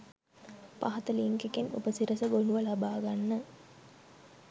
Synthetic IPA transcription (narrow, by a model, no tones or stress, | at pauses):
paɦɐt̪əliŋkekenṵpəsiɾəsəɡoɳuʋəlabaːɡanːə